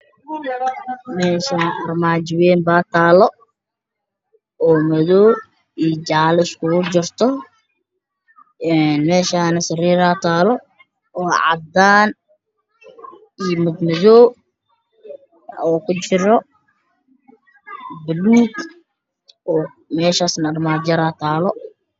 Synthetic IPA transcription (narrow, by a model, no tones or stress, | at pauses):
mɛːʃɐnʔɐrmaːt͡ʃɪwɛːmbaːt̪ʰaːlɔ | ɔːmɐðɔː | ijt͡ʃaʕlɪskʊɣʊd͡ʒɪrt̪ʰɔ | ɛnmɛːʃaːnɐsɐriːɾaːt̪ʰaːlɔ | ɔːʕɑ̰d̪aːn | ijmʊd̪mɐðɔː | ɔːkʰʊt͡ʃɪɾɔ | bɐluːɡ | ɔː | mɛːʃaːsnɐrmaːd͡ʒɐɾaːt̪ʰaːlɔ